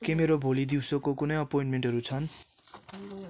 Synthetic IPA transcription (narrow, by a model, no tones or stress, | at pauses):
kemeɾobʱolid̪iwsokokunʌjʌpoĩnʈmeɳʈɦʌɾut͡sʰʌn